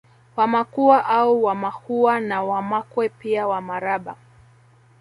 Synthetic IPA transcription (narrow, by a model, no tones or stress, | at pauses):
wamakuaʔauwamahuanawamakwɛpiawamaɾaɓa̰